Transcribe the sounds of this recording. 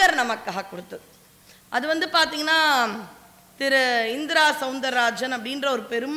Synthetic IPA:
ɐɾnɐmɐkːaːɦɐkːɔɽɯt̪ːɐðɯ | ʔɐðɯʋɐnd̪ɯpaːɾt̪iːŋɡɐnːaː | t̪ɪɾɯɪnd̪ɪɾaːsɐʊnd̪ɐɾːaːd͡ʒɐnɐpːɐɽɪndrɐɔɾɯpɛɾɯm

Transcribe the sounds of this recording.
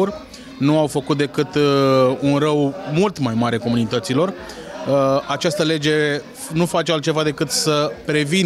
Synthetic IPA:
urʲ | nuawfəkut̪̚d̪e̞kɨt̪ | unrəwmult̪majmaɾeko̞munit̪ət̪silo̞r | at͡ʃast̪əle̞d͡ʒe̞ | nufat͡ʃealt̪̚t͡ʃe̞vad̪e̞kɨt̪səpɾe̞vin

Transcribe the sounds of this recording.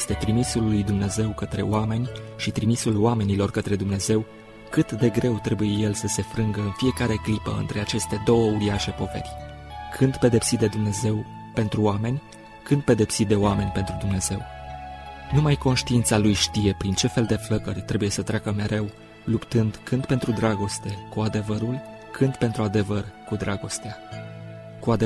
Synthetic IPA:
jest̪e̞t̪ɾimisulːujd̪umne̞ze̞wkət̪ɾe̞̰oame̞nʲʃit̪ɾimisuloame̞nilo̞rkət̪ɾe̞d̪umne̞ze̞w | kɨt̪d̪e̞ɡɾe̞wt̪ɾe̞buje̞je̞lsəse̞fɾɨŋɡəɨnfije̞kaɾe̞klipə̰ɨ̰nt̪ɾe̞at͡ʃe̞st̪e̞d̪o̞wəuɾiaʃe̞po̞ve̞̰rʲ | kʰɨnd̪pe̞d̪e̞psit̪̚d̪e̞d̪umne̞ze̞w | pe̞nt̪ɾuoame̞nʲ | kɨnd̪̚pe̞d̪e̞psit̪̚d̪e̞oame̞nʲpe̞nt̪ɾud̪umne̞z̥e̞w | numajko̞nʃt̪iint̪salujʃt̪ije̞pɾint͡ʃe̞fe̞ld̪e̞fləkərʲt̪ɾe̞buje̞sət̪ɾʲakəme̞ɾe̞w | lupt̪ɨnd̪kɨnd̪̚pe̞nt̪ɾud̪ɾaɡo̞st̪e̞kuad̪e̞vəɾulʲ | kʰɨnd̪pe̞nt̪ɾuad̪e̞vərkud̪ɾaɡo̞st̪ea | kuad̪e

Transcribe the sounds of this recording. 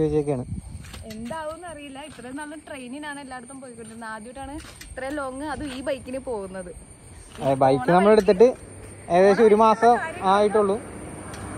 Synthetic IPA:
oːd͡ʑɐkʲːaːɳɨe̞nd̪aːʋonːɐrijilːɐit̪rɐnɐlːɐʈrejninaːɳɨelːaːɽut̪ːɐmpoːjikːoɳɖunːaːd̪joʈːaːɳɨit̪relo̞ːŋːɨɐðɨiːbɐjkːinɨpo̞ːɣunːɐðɨ | bɐjkːɨnɐmːɐɭeɽut̪̬ːiʈ̬ːɨeːðeːɕɐoɾumaːsɐmaːjiʈːuɭːu

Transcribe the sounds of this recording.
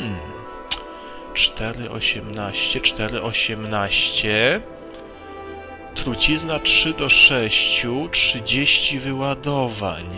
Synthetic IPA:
t͡ʂt̪ɛɾɘʔɔ̰ɕɛmnaɕt͡ɕɛt͡ʂt̪ɛɾɘʔɔɕɛmnaɕt͡ɕɛ | t̪ɾut͡ɕiznatʂɘd̪ɔʂɛɕt͡ɕutʂɘd͡ʑeɕt͡ɕivɘwad̪ɔva̰ɲ

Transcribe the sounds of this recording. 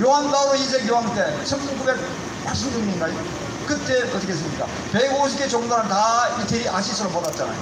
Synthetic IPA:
joɦanbaɾoid͡ʑʰeɡjoɦant͈e̞t͡ɕʰʌnɡubek̚ | maɭs̬͈ɯmduŋɲiɲiɡajo | kɯt͈ekʌtikes̬͈ɯmɲik͈a̰ | peɡoɕ̬ʰiket͡ɕoŋdaɾɯntaitʰeɾiʔaɕʰisʰɯɾopadat̚t͡ɕ͈ana̰jo

